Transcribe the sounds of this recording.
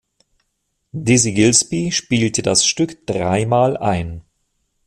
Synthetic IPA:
dɪziɡɪlspiʃpiːltədasʃtʏkd̥ʁaɪmaːlʔa̰ɪn

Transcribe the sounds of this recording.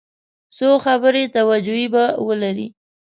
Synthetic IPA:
soxabəɾet̪awad͡ʒuibawəlaɾḭ

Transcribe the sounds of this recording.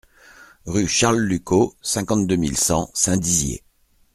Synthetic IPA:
ʁyʃaʁlːykosɛ̃kɑ̃t̪d̪ømilsɑ̰̃sɛ̃d̪izjḛ

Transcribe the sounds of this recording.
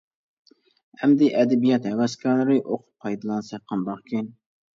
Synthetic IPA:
hɛmd̪ɪʔɛd̪ɛbijɑt̪hɛwɛskʰɑɾlˠɨɾɨʔoqʰʊ̥p̚ʰɑjd̪ɨlˠɑnsɑqʰːɑnbɑχkʲʰin

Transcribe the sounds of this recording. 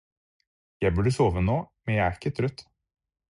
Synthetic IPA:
jæɪbʉɖəsoːʋənoːmɛnjæɪæɾɪkːət̪ʰɾœt̪

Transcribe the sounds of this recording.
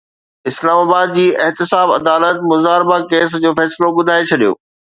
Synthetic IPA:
ɪslaːmaːbaːd̪̚d͡ʑiːʔɪɦt̪ɪsaːbɐ̰d̪aːlət̪mʊzaːɾɪbakeːs̬d͡ʑoːfɛːsloɓʊd̪ʱaːet͡ɕʰɐɗijo̰ː

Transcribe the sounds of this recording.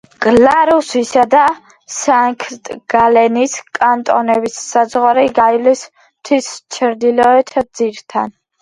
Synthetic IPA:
ɡ̥laɾusisad̪a | saŋkʰɾt̪ʼɡ̥alɛniskʼant̪ʼɔnɛbisːazʁaɾiɡajlis | mt̪ʰwist͡ʃʰɾd̪ilɔɛt̪ʰd̪z̥iɾt̪ʰa̰n

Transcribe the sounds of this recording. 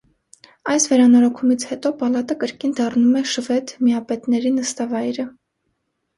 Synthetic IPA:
ɑjsvɛɾɑnɔɾɔkʰumit͡sʰhɛt̪ɔpɑlɑt̪əkəɾkind̪ɑrnumɛʃəvɛt̪miɑpɛt̪nɛɾinəst̪ɑvɑjɾə

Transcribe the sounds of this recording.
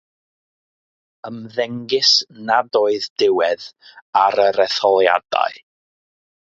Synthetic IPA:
əmðɛŋɡɪsnadoːɨðd̥ɪwɛðaɾəɾɛθɔlˠja̰d̥a̰ɨ

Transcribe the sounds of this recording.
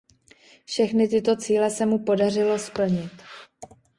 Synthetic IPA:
fʃɛxnɪt̪ɪt̪o̞t͡siːlɛsɛmupo̞darɪlo̞spl̩ɲɪt̪

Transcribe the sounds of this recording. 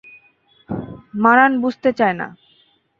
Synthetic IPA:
maɾanbud͡ʑʱt̪et͡ɕaena̰

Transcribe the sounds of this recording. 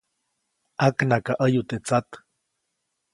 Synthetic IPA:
aknakaʔəjut̪et͡sat̪

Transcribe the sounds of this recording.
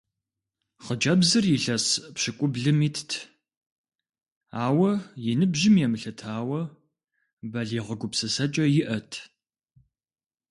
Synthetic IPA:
χəd͡ʒʼɐbzɨrjɪɬɐspɕɪkʷʼʊbɮɨmiːtʰtʰ | aːwɐjɪnɨbʒɪmjɛmɨɬɐtʰaːwɐ | bɐɮeːʁəɡʷʊpsɐsɐt͡ʃʼɐjɪʔɐtʰ

